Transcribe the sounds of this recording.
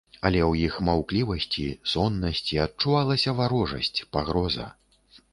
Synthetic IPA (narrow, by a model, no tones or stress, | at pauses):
ɐlʲɛwjixmawklʲivɐsʲt͡sʲisɔnːɐsʲt͡sʲiɐt̚t͡ʂuvalˠɐsʲɐvaɾɔʐɐ̰sʲt͡sʲpaɣɾɔzɐ̰